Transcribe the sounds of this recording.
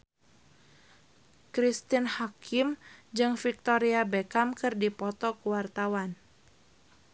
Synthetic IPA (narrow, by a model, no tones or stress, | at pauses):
kɾist̪inhakʰimd͡ʒɨŋfik̚t̪oɾiabekamkɨrdipɔt̪ɔkuwart̪awan